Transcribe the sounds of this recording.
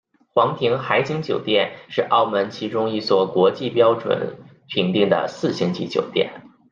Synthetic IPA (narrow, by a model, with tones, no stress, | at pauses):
xwɑ˧˥ŋt̪ʰi˧˥ŋxa˧˥ɪt͡ɕi˥ŋt͡ɕjo˨˩ʊt̪jɛ˥˧nʂɻ̩˥˧ʔɑ˥˩ʊmə˧˥nt͡ɕʰi˧˥ʈ͡ʂʊ˥ŋi˥˩t͡swɔ˥˩kwɔ˧˥t͡ɕi˥˩pjɑ˥ʊʈ͡ʂwə̰˨˩˦n | pʰi˧˩˥nt̪i˥˩ŋd̪ə̰˩sɹ̩˥˩ɕjə˧˥nt͡ɕḭ˧˥t͡ɕjo˨˩ʊt̪jɛ̰˥˩n